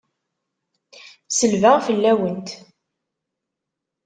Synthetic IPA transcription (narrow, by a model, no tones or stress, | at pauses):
səlvaʁfəlːæwənt̪